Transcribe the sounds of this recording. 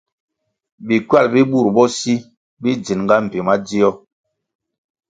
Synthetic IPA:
bi˨kɥa˦˨lbi˦ɓu˦˨ɾbɔ˦si˦ | bi˦d͡zi˨nŋɡa˦m̩˨bi˨ma˦d͡zi˦ɔ˦

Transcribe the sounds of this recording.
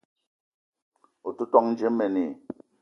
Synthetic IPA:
o˨tu˦tɔ˦ŋn̩˦d͡ʒe˦mːɛ˨ne˨

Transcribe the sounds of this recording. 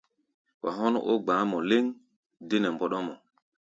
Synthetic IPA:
wa˨ɦɔ˦nʔo̰˦ɡ͡baː˨˦mɔ˨le˦ŋ | de˦nɛ˨mbɔ˦ɗɔ˦mɔ˨

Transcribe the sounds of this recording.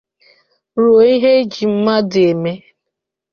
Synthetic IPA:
ɾo˨i˦ɦe˦d͡ʒi˨m̩˦ma˦dɪ˨e˨me˦

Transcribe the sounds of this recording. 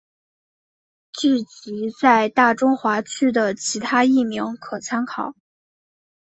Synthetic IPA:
ʈ͡ʂ̩˥˩t͡ɕi˧˥t͡sa˥˧ɪt̪a˥˩ʈ͡ʂʊ˥ŋxwa˧˥t͡ɕʰy˥d̪ə˨t͡ɕʰi˧˥t̪ʰa˥i˥˩mi˧˥ŋkʰɤ˨˩t͡sʰa˥nkʰɑ˨˩˦

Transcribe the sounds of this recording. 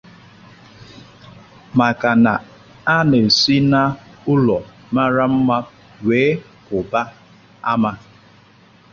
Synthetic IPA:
ma˨ka˨na˨ | a˦ne˨si˦na˦ʊ˦lɔ˨ | ma˦ɾa˦m̩˦ma˦ | weː˨˦ | kʊ˨ba˦ | a˦ma˦

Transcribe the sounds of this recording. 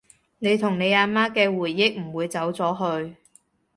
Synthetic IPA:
ne˨˧jt̪ʰʊ˨˩ŋne˨˧jaː˨˧maː˥kɛː˧wuː˨˩jːɪ˥k̚m̩˨˩wuː˨˧jt͡sɐ˨˥wt͡sɔː˨˥ɦɵ˧ɥ

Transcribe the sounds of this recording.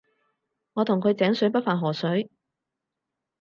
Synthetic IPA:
ŋɔː˨˧t̪ʰʊ˨˩ŋkʰɵ˨˧ɥt͡sɛː˨˥ŋsɵ˨˥ɥpɐ˥t̚faː˨nɦɔː˨˩sɵ˨˥ɥ

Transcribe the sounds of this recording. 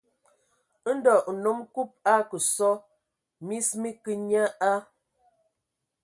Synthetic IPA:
n̩˦dɔ˨no˨˦mku˦p̚a˦kə˨sɔ˦ | mi˦smi˦ki˦ɲa˦a˦

